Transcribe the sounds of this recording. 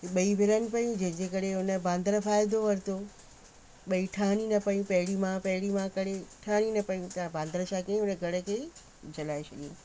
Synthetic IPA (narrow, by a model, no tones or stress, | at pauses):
ɓɐibʱɪɾənɪ̆pɐjũd͡ʑɐ̃ɦɪ̃ɲd͡ʑekɐɾeɦʊnə̆bãːnd̪əɾəfaːjɪd̪oʋɐɾɪt̪ʰo | ɓɐiʈʰaːɽ̃inɐpɐjũpɐɦɪɽimãpɐɦɪɽimãkɐɽ̤eʈʰaːɽ̃inɐpɐjũt̪ɐãbãːnd̪əɾəsãkɐĩɦʊnəɡʱɐɽə̆kʰeː | d͡ʑɐlaːesɐɠiũ